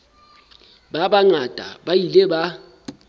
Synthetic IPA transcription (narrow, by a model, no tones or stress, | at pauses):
ɓaɓaŋadʼʱa̰bajilɛɓa